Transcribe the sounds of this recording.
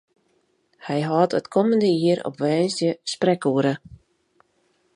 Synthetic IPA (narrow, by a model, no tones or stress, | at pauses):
hɛjɦɔːtətkʰɔməndəiəɾɔ̰pʋɛːnsdjəsprɛkuəɾə